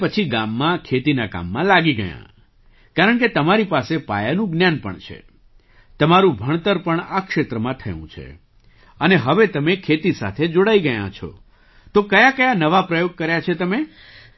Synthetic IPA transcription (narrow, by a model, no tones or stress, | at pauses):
pət͡ʃʰiɡamːãkʰet̪inaka̰mːãlaɡiɡəjã̰ | kaɾəɳket̪əmaɾipasepa̰janũɡnjanpə̰ɳt͡ʃʰḛ | t̪əmaɾũbʱəɳ̃t̪əɾpəɳakʃet̪ɾəmãt̪ʰə̰jṵ̃t͡ʃʰḛ | əneɦəʋet̪əmekʰet̪isa̰t̪ʰed͡ʒoɽaiɡəjã̰t͡ʃʰɔ̰ | t̪okəjakəjanəʋapɾəjoɡ̚kəɾjat͡ʃʰet̪əme